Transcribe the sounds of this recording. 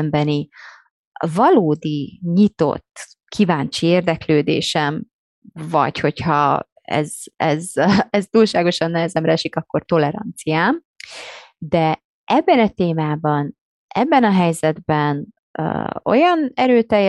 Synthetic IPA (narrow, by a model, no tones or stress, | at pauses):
mbɛni | vɒloːd̪iɲit̪o̞̰t̪ː | kʰivaːnt͡ʃieːrd̪ɛkløːd̪ḛːʃɛm | vɒ̰cho̞chɒ | ɛ̰zɛzɛst̪uːlʃaːɡo̞ʃɒnːɛɦɛzɛmɾɛɛʃikɒkːo̞rt̪o̞lɛɾɒ̰nt̪sijaːm | d̪ɛ | ʔɛbːɛnɒt̪eːmaːbɒn | ʔɛ̰bːɛnɒɦɛjzɛd̪bɛn̰ː | o̞̰jɒnɛɾøːt̪ɛjːɛ